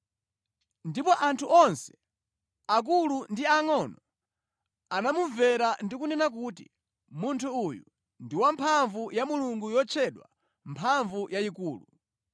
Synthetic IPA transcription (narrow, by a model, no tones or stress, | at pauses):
ndipɔʔantʰuʔɔnsɛ̥ | ak̬ulundiaŋɔnɔ | anamuvɛɾandikunɛnak̬uːtḭ | muntʰuujṵ | ndiwampʰaɱvujamuluŋɡujɔt͡ʃʰɛɗwa̰ | mpʰaɱvujaikuːlu